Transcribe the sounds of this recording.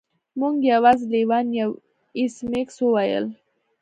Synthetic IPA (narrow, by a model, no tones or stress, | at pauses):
muŋɡjawazliwɑnjaw | ismeksuwajə̰l